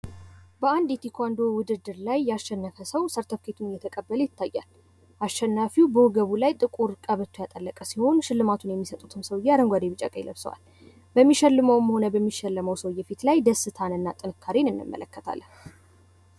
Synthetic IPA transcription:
bəand̪jɛt̪ʰikʰʷand̪owʊd̪ɨd̪ːɨɾlajːɛaʃːɛnːəfəsəwsəɾt̪ʰəfkʰe̞t̪ʰunɨjːɛt̪ʰəkʼəbːələjɪt̪ʰːajːa̰l | ʔaʃːɛnːafiwbəwʊɡəβulajt̪ʼɨkʼuɾkʼəβət̪ʰːojat̪ʼəlːəkʼəsiho̞nʃɪlːɨmat̪ʰunjɛmːisət̪ʼut̪ʰɨmsəwjːɛad̪əŋɡʷad̪eβɨt͡ʃʼa̰kʼə̰jləβsə̰wa̰l | bəmːiʃɛlːɨməwməho̞nəbəmːiʃɛlːəməwsəwjːɛfit̪lajd̪əsːɨt̪ʰanɨnːat̪ʼɨnɨkʰːaɾinɨnːɨ̰mːə̰ləkːət̪ʰa̰lːə

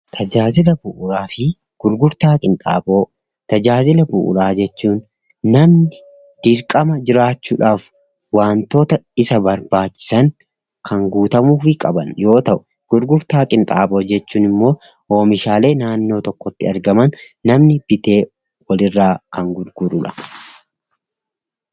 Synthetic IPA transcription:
t̪ʰɐd͡ʒaːzɪlɐbʊʔʊɾaːfɪ | ɡ̥ʊɾɡʊɾt̪aːkʼɪnt̪ʼa̰ːbo̞ː | t̪ɐd͡ʒaːzɪlɐbʊ̰ʔʊ̰ɾaːd͡ʒɛt͡ʃːuːnː | ɐmnɪ | d̪̥ɪɾkʼɐmɐd͡ʒɪɾaːt͡ʃːuːᶑaːf | waːnt̪o̞ːt̪ɐɪsɐbɐɾbaːt͡ʃːɪ̥sɐŋ | kʰɐŋɡuːt̪ɐmuːfɪkʼɐbɐnjo̞ːt̪ɐʔʊ | ɡ̥ʊɾɡʊɾt̪aːkʼɪnt̪ʼa̰ːbo̞ːd͡ʒɛt͡ʃːuːnɪmːo̞ː | o̞ːmɪʃaːle̞ːnaːnːo̞ːt̪ɔkːɔt̪ːɪɐɾɡɐmɐnː | ɐmnɪb̥ɪt̪e̞ː | wɐlɪrːaːkʰɐŋɡʊɾɡ̥ʊɾʊᶑɐ̥

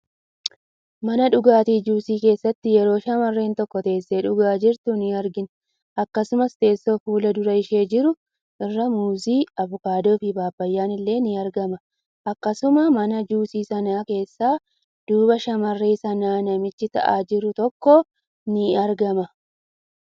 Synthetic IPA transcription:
mɐnɐᶑʊɡaːt̪iːd͡ʒuːsiːke̞ːsːɐt̪ːɪjɛɾo̞ːʃɐmɐrːe̞ːnt̪ɔkːɔt̪e̞ːsːeːᶑʊɡaːd͡ʒɪɾt̪ʊnɪɐɾɡɪn | ɐkːɐsʊmɐst̪e̞ːsːo̞ːfuːlɐd̪ʊɾɐɪʃe̞ːd͡ʒɪɾʊ | ʔɪrːɐmuːziːɐvʊkaːd̪oːfɪbaːbːɐjːaːnɪlːe̞ːnɪɐɾɡɐmɐ | ʔɐkːɐsʊmɐmɐnɐd͡ʒuːsiːsɐnaːke̞ːsːaː | d̪̥uːbɐʃɐmɐrːeːsɐnaːnɐmɪt͡ʃːɪt̪ɐ̰ʔaːd͡ʒɪɾʊt̪ɔkːɔ | nɪɐɾɡɐmɐ

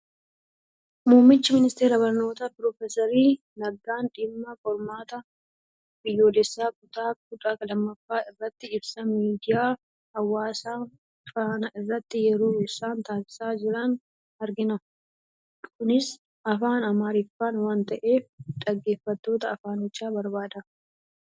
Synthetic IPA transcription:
muːmːɪt͡ʃːɪmɪnɪst̪e̞ːɾɐbɐɾno̞ːt̪ɐpɾɔfɛsɐɾiː | nɐɡːaːnᶑɪmːɐfɔɾmaːt̪ɐ | bɪjːo̞ːlɛsːaːk̚ʼʊt̪ʼaːkʊt̪ʼaːkɐlɐmːɐfːaːɪrːɐt̪ːɪɪbsɐmiːd̪ɪjaː | hɐwːaːsaː | faːnɐʔɪrːɐt̪ːɪjɛɾoːɪsaːnt̪aːsɪ̥saːd͡ʒɪɾɐn | ɐɾɡɪnɐ | kʊnɪs | ɐfaːnɐmaːɾɪfːaːnwaːnt̪ɐʔe̞ːfᶑ̪ɐɡːe̞ːfːɐt̪ːo̞ːt̪ɐɐfaːnɪt͡ʃːaːbɐɾbaːd̪ɐ

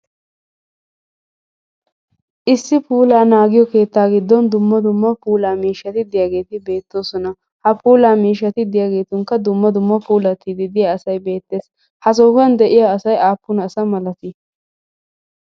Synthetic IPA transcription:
ʔɪsːɪpuːlaːnaːɡɪjɔke̞ːt̪ːaːɡɪd̪ːɔnd̪ʊmːɐd̪ʊmːɐpuːlaːmiːʃːɐt̪ɪd̪ɪjaːɡe̞ːt̪ɪbe̞ːt̪ːo̞ːsɔnɐ | hɐpʰuːlaːmiːʃːɐt̪ɪd̪ɪjaːɡe̞ːt̪ʊŋkɐd̪ʊmːɐd̪ʊmːɐpuːlɐt̪ːɪd̪ɪd̪ɪjaɐsɐjbe̞ːt̪ːe̞ːs | hɐs̬oːkɐnd̪ɛʔɪjaːɐsɐjaːpːʊnɐsɐmɐlɐt̪ɪ

